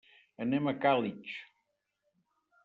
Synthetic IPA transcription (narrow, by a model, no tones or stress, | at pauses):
ənemɐkalit͡ʃ